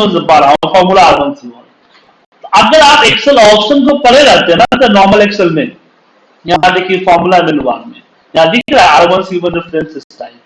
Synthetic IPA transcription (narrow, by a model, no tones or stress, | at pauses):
ozɐbaɾafɔːɾmulaːɾʋənsiʋən | t̪ɐɡəɾaːpekselɔːpʃənt̪opɐɾeɾɐɦt̪eɦnat̪ɐnɔːɾməlekselnẽj | j̃ɦad̪ekʰiefɔɾmulamenʋa̰ːɾmḛ̃ | jãd̪ikɾaeaɾʋənsiʋənd̪əfɾẽnsɪsʈaim